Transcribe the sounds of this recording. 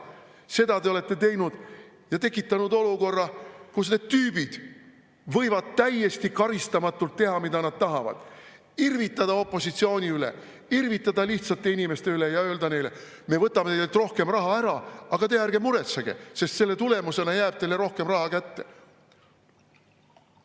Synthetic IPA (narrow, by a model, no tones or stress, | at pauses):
se̞d̪ɑt̪eo̞le̞t̪ːe̞t̪e̞jnud̪̥ | jɑt̪e̞kːˑit̪ːˑɑnud̪o̞luko̞rːɑkusne̞d̪̥̚t̪yːbid̪̥ | vɤjvɑd̪̥̚t̪æje̞st̪ikɑɾist̪ɑmɑt̪ːˑult̪ːe̞ɦɑmid̪ɑnɑd̪̥̚t̪ɑɦɑvɑ̰d̪̥ | irvit̪ːˑɑd̪̥ɑo̞pːˑo̞sit̪sio̞ːnʲiylḛ | irvit̪ˑːɑd̪ɑliht̪sɑt̪ːˑe̞inʲime̞st̪e̞ylejɑø̞ːld̪̥ɑne̞jle̞ | me̞vɤt̪ːˑɑmeeɡlt̪ro̞hke̞mrɑɦɑæɾɑɑɡ̥ɑt̪e̞jæɾɡ̥emuɾe̞t̪seɡ̥e̞̰se̞st̪se̞lːe̞t̪ule̞muse̞nɑjæːb̥̚t̪e̞jlːeɾo̞hke̞mrɑɦɑkæt̪ːe̞